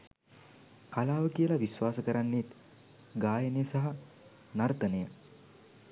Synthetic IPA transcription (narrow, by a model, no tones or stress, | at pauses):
kalaːʋəkiəlaʋisʋaːsəkəɾanːet̪ | ɡaːjənejəsɐɦa | nɐɾt̪ənəjə